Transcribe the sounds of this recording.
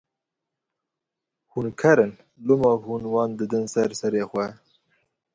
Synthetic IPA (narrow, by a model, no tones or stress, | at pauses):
hunkʰaɾən | lumɑhunwɑːnd̪əd̪ənsaɾsaɾexwɛ